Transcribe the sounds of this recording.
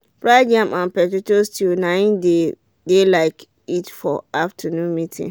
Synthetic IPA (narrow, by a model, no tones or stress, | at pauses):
bɹaɪdiãmʔãnpɛtotostʰilnãɪ̃nde | delaɪk | itfɔaftʰənũnmitʰḭ̃